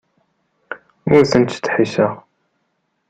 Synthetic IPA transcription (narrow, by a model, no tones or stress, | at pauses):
ʊɾθənt̪ːt̪ːħisəʁ